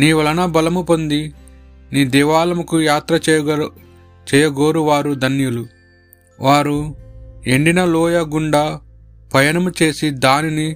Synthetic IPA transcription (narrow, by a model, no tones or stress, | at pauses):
niːʋɐlɐnɐbɐlɐmupond̪i | niːd̪ɛːʋaːlɐmukujaːt̪ɾɐ | t͡ʃɛːjɐɡoːɾuʋaːɾud̪ɐnjulu | ʋaːɾu | eɳɖinɐlɔːjɐɡuɳɖa | pɐjɐnɐmut͡ʃe̞ːsid̪aːnini